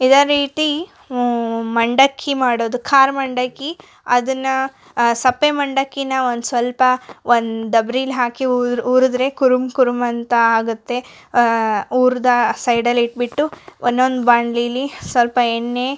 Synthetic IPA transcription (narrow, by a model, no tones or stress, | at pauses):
id̪aɾiːt̪i | mɐɳɖɐkʰːimaːɽoːd̪ukʰaːɾmɐɳɖɐkːi | ɐd̪ɐnːɐ | sɐpːemɐɳɖɐkːinɐond̪usʋɐlpɐond̪d̪ɐbɾilɦaːkiuːɾud̪ɾe̞kuɾumkuɾumɐnt̪ɐaːɡut̪ːe̞ | uːɾd̪ɐsɐjɖɐlːiʈ̚biʈːuʔonːond̪baːɳɖlilːisʋɐlpɐenːe